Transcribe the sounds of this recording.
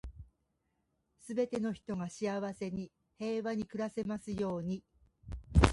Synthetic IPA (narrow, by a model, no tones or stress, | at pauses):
sɨbe̞t̪e̞no̞çi̥t̪o̞ɡaɕiaβase̞ɲ̟i | he̞ːβaɲ̟ikɯ̟ɾase̞masɨjo̞ːɲ̟i